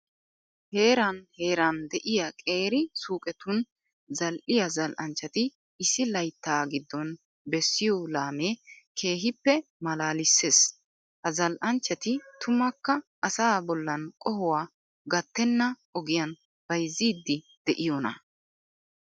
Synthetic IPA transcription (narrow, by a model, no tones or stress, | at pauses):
he̞ːɾɐnhe̞ːɾɐnd̪ɛʔɪjakʼe̞ːɾɪsuːkʼɛt̪ʊn | zɐlʔɪjɐzɐlʔɐnt͡ʃːɐt̪ɪː | sːɪlɐjt̪ːaːɡɪd̪ːɔn | bɛsːɪjɔlaːmeːkʰe̞ːɦɪpːɛmɐlaːlɪsːeːs | hɐzɐlʔɐnt͡ʃːɐt̪ɪt̪ʰʊmɐkːɐʔɐsaːbɔlːɐnkʼɔhʊwaː | ɡɐt̪ːɛnːɐʔɔɡɪjɐn | b̥ɐjzːiːd̪ːɪ | d̪̥ɛʔɪjɔnɐ̰